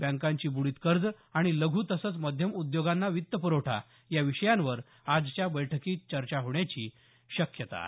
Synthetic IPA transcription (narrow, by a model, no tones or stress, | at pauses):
bãŋkaɲt͡ɕiːbuɭiːt̪kəɾd͡z | aɽ̃iləɡʱuːt̪əsət͡sməd̪ʱjəmud̪joɡanːaʋit̪ːəpuɾoʈʰa̰ | jaʋiɕəjãnʋəɾ | ad͡zt͡ɕjabəjʈʰəkiːt͡ɕəɾt͡ɕaɦoɳjat͡ɕiː | ɕəkjət̪a̰